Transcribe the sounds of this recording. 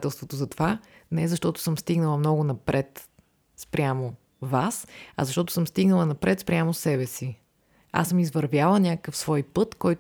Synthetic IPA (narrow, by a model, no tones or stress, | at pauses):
t̪ɛlˠst̪vot̪ozɐt̪ovanɛɛzɐʃt̪ɔt̪ʊ̥sɤmst̪iɡnəlˠɐmnɔɡʊnɐpɾʔɛt̪ | spɾʲamo | vasɐ̰zɐʃt̪ɔt̪ʊ̥sɤmst̪iɡnəlˠɐnɐpɾʔɛt̪spɾʲjamosɛβɛsi | a̰sɤmizvɐɾvʲjalˠənʲakəkəfsvɔjpɤt̪kɔjt̪